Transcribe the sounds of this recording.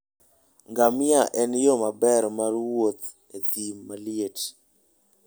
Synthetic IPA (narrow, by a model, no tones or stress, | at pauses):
ŋɡamɪaʔɛnjomabɛɾmarwot̪ | et̪imːalɪet